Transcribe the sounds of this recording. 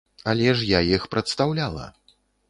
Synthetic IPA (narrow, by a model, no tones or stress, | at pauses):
ɐlʲɛʂjajixpɾɐt̪st̪awlʲalˠɐ̰